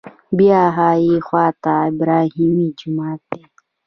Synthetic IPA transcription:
biaɦajixwat̪aibɾaɦimid͡ʒumat̪ɛ

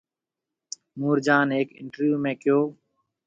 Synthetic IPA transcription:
muːɾd͡ʒaːneːkɪ̰ɳʈəɾjuːmẽːkɪjoː

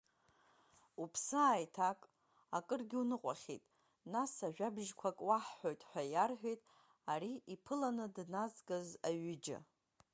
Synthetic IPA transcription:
upʰsɨaːjtʰakʼ | akʼɨrɡʲɪunɨqʷʼaχʲḛtʼ | nasaʒᶣabʒkʷʰakʼwaħːojtʼħʷᶣajarħʷᶣejtʼ | aɾiipʰɨlanɨdnazɡazaɥɪd͡ʒɪ̰

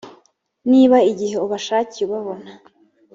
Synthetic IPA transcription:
niːβaiɟihe̞uβaʃaːciuβaβo̞na

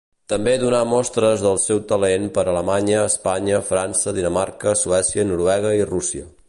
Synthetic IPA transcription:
t̪əmbeðunamɔst̪ɾəzðəlˠsɛwt̪əlenpəɾələmaɲəːspaɲəfɾansəðinəmaɾkəsuɛsiənuɾuɛɣ̞əirusiə

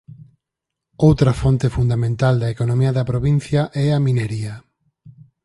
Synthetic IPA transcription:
owt̪ɾɐfont̪efund̪amẽnt̪ald̪ɐekonõmiɐðɐpɾoβin̟θjɐʔɛɐmĩneɾiɐ

